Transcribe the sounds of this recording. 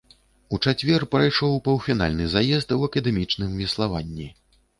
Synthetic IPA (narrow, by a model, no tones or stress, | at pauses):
ut͡ʂat͡sʲvʲɛrpɾajʂɔwpɐwfʲina̰lʲnɨzajɛzt̪wɐkɐd̪ɛmʲit͡ʂnɨmvʲɛslˠavanʲːi